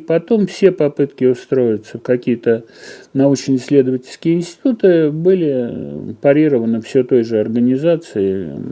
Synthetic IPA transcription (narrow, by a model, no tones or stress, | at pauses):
pɐt̪o̞mfsʲe̞pɐpɨt̪kʲɪʊst̪ɾo̞jɪt̪səkɐkʲijət̪ənɐut͡ɕnəsʲlʲe̞d̪əvətʲɪlʲskʲɪjəɪnsʲtʲɪ̥t̪ut̪ɨbɨlʲɪpɐɾʲiɾəvənəfsʲet̪o̞jʐɨɐrɡənʲɪzat̪sɨɪ